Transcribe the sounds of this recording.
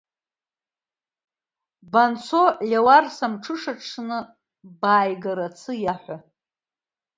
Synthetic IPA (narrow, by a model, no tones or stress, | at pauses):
bant͡sʰolʲewarsamʈ͡ʂʰɨʂaʈ͡ʂʰnɨ | baːjɡaɾat͡sʰɨjaħʷa